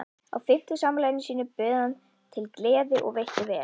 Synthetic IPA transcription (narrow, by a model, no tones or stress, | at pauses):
a̰wfɪht̪ʏsaːmlaːjɪnɪsiːnʏpʏːðan | t̪ʰɪlklɛːðɪʔɔ̰ɣvejhcɪvɛː